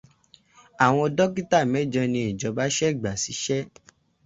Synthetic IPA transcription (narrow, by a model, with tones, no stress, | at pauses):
a˨w̃ɔ̃˧dɔ˦ki˦ta˦˨mɛ̃˨˦d͡ʒɔ̃˧nĩ˧i˨d͡ʒɔ˨˧ba˦ʃɛ˦˨ɡ͡ba˨si˨˦ʃɛ˦